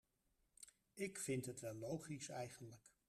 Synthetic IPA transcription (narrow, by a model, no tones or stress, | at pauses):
ɪkfɪntɦətʋɛlˠːowχisɛjχənlək